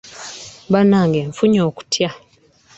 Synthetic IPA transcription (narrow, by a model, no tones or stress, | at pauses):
banaːŋɡeɱfuɲoːku̥tʰja